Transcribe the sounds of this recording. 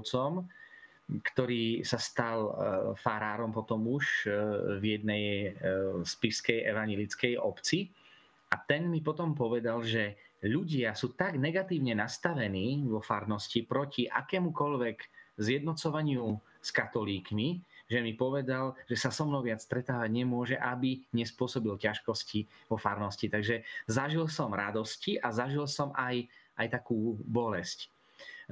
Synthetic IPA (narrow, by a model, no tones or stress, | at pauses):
t͡sɔm | kt̪ɔɾiːsast̪alfaɾaːɾɔmpɔt̪ɔmuʃvjɛd̪nɛj | spiskɛjʔɛ̰ʋaɲɛlit͡skɛjɔpt͡si | at̪ɛnmipɔt̪ɔmpɔʋɛd̪alʒɛʎuɟɪasuːt̪aɡnɛɡat̪iːʊɲɛnast̪aʋɛniːʋɔfaɾnɔscipɾɔciʔa̰kɛːmukɔʎʋɛɡzjɛd̪nɔt͡sɔʋaɲɪu | skat̪ɔliːkmiʒɛmipɔʋɛd̪alʒɛsasɔmnɔʊʋɪat͡sst̪ɾɛt̪aːʋaɟɲɛmʊɔʒɛʔabiɲɛspʊɔsɔbilcaʃkɔsciʋɔfaɾnɔscit̪aɡʒɛzaʒilsɔmɾad̪ɔsciʔazaʒilsɔmʔajʔajt̪akuːbɔlɛsc